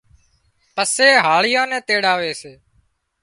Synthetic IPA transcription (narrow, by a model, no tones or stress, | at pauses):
pəseːɦaːɭɪjãːnɛ̃ːt̪eːɽaːʋeːseː